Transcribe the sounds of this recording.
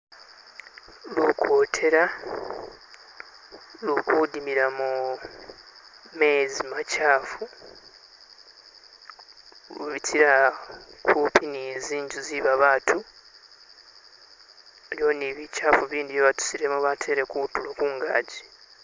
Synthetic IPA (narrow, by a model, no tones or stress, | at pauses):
lukʰoːtʰe̞ɾa | lukudimiɾamu | me̞zimacaːfu | lṵβitʰiɾa | kʰupʰiniziːɲɟuziβaβaːtʰu | eɾjo̞niβicaːfuβiːndijeβatu̥siɾemuβatʰe̞ɾe̞kutulokuŋɡa̰ːɟi